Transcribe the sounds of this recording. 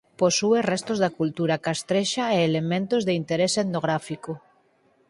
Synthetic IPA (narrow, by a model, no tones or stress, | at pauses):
posuerɛst̪ozðakult̪uɾakast̪ɾeʃaeːlemẽnt̪ozðeint̪eɾeseðnoɣɾafiko